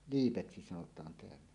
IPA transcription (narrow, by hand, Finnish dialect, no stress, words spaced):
liːpeksi sɑnotˑɑːn teælːæ